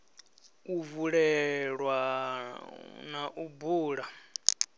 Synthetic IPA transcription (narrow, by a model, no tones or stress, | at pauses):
uvuɺɛɺwa | naʔubuːɺa